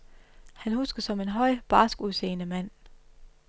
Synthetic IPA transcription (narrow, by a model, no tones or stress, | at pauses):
hænhusɡ̥ɐsɒ̽me̝nɦɒ̽ɪ̰b̥ɑ̈ːsɡ̥uðˠse̝̰ːnəmæn̰